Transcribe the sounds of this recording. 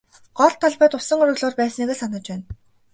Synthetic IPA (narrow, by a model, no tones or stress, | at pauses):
ɢ̥ɔɮt̪ʰːɔɮpæːt̪ʊsə̆ŋɵɾɵ̆ɣɮoːrpæːsniɣeːsanə̆t͡ɕpæːn